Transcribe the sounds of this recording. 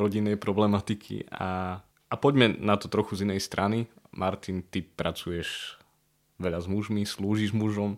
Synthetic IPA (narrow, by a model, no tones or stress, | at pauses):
ɾɔɟinːɛjpɾɔblɛmat̪ikʰḭa̰ | apɔɟmɛnat̪ɔt̪ɾɔxuzinɛjst̪ɾʔanimʔaɾt̪int̪ipɾat͡sujɛʒ | ʋɛʎazmuʒmisluːʒiʒmuʒɔm